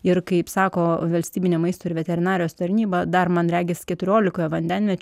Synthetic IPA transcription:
ɪɾkɐɪpsɑːkoːʋɐlʲsʲt̪ʲiːbʲɪnʲemɐɪst̪oːɪɾʋʲɛt̪ʲɛɾʲɪnɑːɾʲɪjoːst̪ɐɾʲnʲiːbɐd̪ɐrmɐnɾʲæːɡʲɪskʲɛt̪ʊɾʲoːlʲɪkoːjɛʋɐnʲd̪ʲɛnʲmʲɛt͡ʃʲ

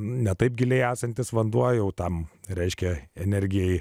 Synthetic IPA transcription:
nʲɛt̪ɐɪp̚ɡʲɪlʲeɪæːsɐnʲt̪ʲɪsʋɐnd̪uɔjɛʊt̪ɐmɾʲɛɪʃʲkʲɛɛnʲɛɾʲɡʲɪjɛɪ

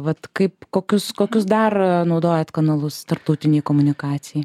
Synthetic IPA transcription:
ʋɐt̪kɐɪpkoːkʲʊskoːkʲʊsd̪ɐrnɒʊd̪oːjɛt̪kɐnɐlˠʊst̪ɐrp̚t̪ɐʊt̪ʲɪnʲɛjkoːmʊnʲɪkɑːt̪sʲɪjɛj

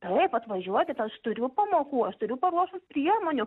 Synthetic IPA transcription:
t̪ɐɪpɐt̪ʋɐʒʲuɔkʲɪt̪ɐʃt̪ʊɾʲʊpɐmoːkuːɐʃt̪ʊɾʲʊpɐɾuɔʃʊspʲɾʲiɛmoːnʲʊ

